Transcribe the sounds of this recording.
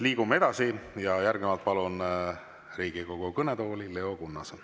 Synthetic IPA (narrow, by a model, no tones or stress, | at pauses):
liːɡumːee̞d̪̥ɑsijɑjærɡ̥nimɑlt̪̚pɑlun | riːɡ̥ikoɡ̥ukɤnet̪o̞ːlile̞o̞kunːɑs